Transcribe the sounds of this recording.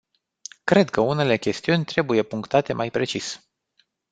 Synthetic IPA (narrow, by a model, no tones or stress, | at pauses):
kɾe̞d̪kəune̞le̞kʲe̞st̪iunʲt̪ɾe̞buje̞puŋkt̪at̪e̞majpɾe̞t͡ʃis